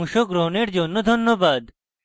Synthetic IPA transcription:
uʃoɡɾoɦoneɾd͡ʑonːod̪ʱonːobad̪

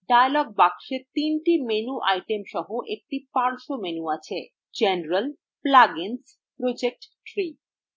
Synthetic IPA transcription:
ɖajlɔɡ̚bakʃet̪inʈimenuʔajʈemʃɔɦoʔek̚ʈipãɾʃomenuat͡ɕʰe | d͡ʑenɾəl | plaɡins | pɾod͡ʑek̚ʈːɾi

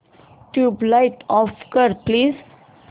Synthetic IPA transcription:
ʈuːblaɪʈɔːfkəɾpliːz

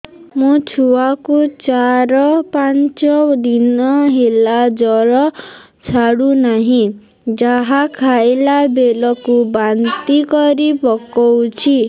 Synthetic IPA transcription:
mũt͡ʃʰuakut͡ʃaɾɔpant͡ʃɔd̪inɔɦelad͡ʒɔɾɔ | t͡ʃʰaɽunaɦĩ | d͡ʒaɦakʰaelabelɔkubant̪ikɔɾipɔkɔwt͡ʃʰi

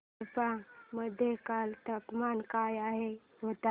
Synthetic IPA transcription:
pãməd̪ʱjekalt̪əpmankaːjaːɦe | ɦot̪a

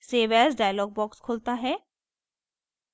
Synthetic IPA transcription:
seːʋɛːs̬ɖaːɪjəlɔːɡ̚bɔːkskʰolt̪aɦɛː

